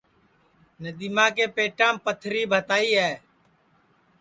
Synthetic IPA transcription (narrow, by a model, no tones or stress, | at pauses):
nəd̪iːmãːk̬eːpeːʈãːmpət̪ʰɾiːbʱət̪aːiːɦɛː